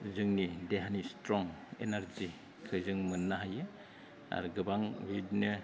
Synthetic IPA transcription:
uzɯŋnideɦanistɾɔŋḛnaɾzi | kʰɯzɯŋmɯnːaɦajɯ | a̰ɾɡɯbaŋwidnɯ

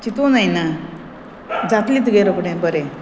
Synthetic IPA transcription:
t͡ɕit̪onajna | d͡zat̪lit̪ɡeɾəpɽẽbəɾe

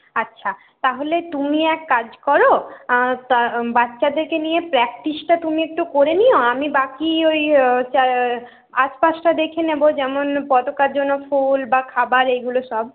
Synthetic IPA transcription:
atːɕʰa | t̪aɦolet̪umiɛkːad͡ʑkɔɾo | t̪abatːɕad̪eɾkenijepɾɛk̚ʈisʈat̪umiek̚ʈukoɾenioamibakiojt͡ɕa | aʃpaʃʈad̪ekʰenebod͡ʑɛmonpɔt̪okaɾd͡ʑonːofulbakʰabaɾejɡuloʃɔb

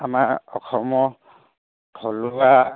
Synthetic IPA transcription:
amaɹɔxʰɔmɔ | kʰɔluwa

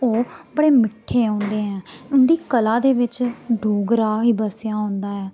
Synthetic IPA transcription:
oːbəɽeːmɪʈʰːeːɦõːnd̪eːɛ̃ːʊnd̪iːkəlãːd̪eːʋɪt͡ʃɖoːɡɾaːɦiːbəsjãːɦõːnd̪aːɛː

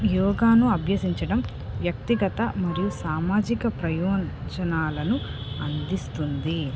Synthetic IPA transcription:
jɔːɡaːnuɐbʱjɐsiɲt͡ʃɐɽɐm | ʋjɐk̚t̪iɡɐt̪ɐmɐɾijusaːmaːd͡ʒikɐpɾɐjɔːd͡ʒɐnaːlɐnuɐnd̪ist̪und̪i

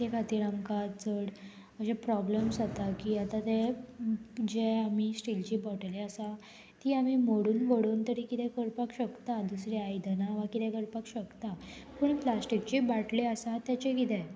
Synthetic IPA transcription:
t̪ekʰat̪iːɾamkat̪t͡səɽ | əɕepɾɔbləmsat̪akiːat̪at̪e | d͡ʑeamisʈilt͡ɕibɔʈleəsa | t̪iːamimoɽuːnʋəɽuːnt̪əɾiːkit̪ɛ̃kəɽpakɕəkt̪ad̪usɾeajd̪ʱənaʋakit̪ɛ̃kəɽpakɕəkt̪apuːɳplasʈikt͡ɕiːbaʈleəsat̪jat͡ɕekit̪ɛ̃

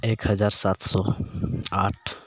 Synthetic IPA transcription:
eːkɦəd͡ʒaːɾsat̪ʰsɔ | aːʈʰ

